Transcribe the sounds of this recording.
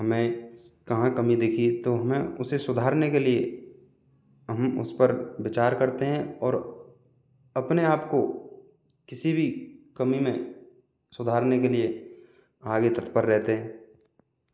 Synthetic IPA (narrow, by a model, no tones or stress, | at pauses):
ɦɐmẽkɐɦãkɐmid̪eːkʰit̪oɦɐmẽʊsesʊd̪ʱaːɾnekelie | ɦəmʊ̰spəɾʋɪt͡ʃaːɾkɐɾt̪eɦɛ̃ɔːɾ | ɐpneaːpko | kɪsibʱikɐmimẽ | sʊd̪ʱaːɾnek̬elie | aːɡet̪ət̪pəɾːɛɦt̪eɦɛ̃ː